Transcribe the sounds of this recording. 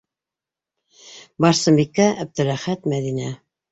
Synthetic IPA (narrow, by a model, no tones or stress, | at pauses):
bɑɾsɤmbikːæʔæb̚d̪ɘ̆ɾæχæt̪mæðinæ